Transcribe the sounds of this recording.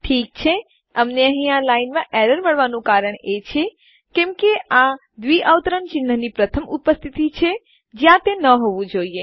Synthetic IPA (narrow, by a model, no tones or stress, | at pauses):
ʈʰiːk̚t͡ʃʰe | əmneəɦĩalainmãʔɛɾəɾməɭʋanũkaɾəɳ̃et͡ʃʰe | kɛ̃mkea | d̪ʋiʔaʋt̪ɾəɳt͡ʃɪnːənipɾət̪ʰəmupəst̪ʰit̪it͡ʃʰe | d͡ʒjãt̪enəɦoʋũd͡ʒoie